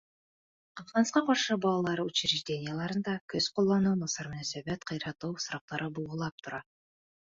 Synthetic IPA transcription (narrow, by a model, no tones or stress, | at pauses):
qɑfqɑnsqɑqɑɾʃɤbɑlˠɑlˠɑɾut͡ɕɾɪʒd̪ʲe̞nʲɪjəlˠɑɾɯnd̪ɑkɵz̥qolˠːɑnuwmɑsɑɾmɵ̆næsæbæt̪qʰɑjɾɑt̪uwsɾɑq̚t̪ɑɾʔɤbulˠʁŏlˠɑp̚t̪ʰŏɾɑ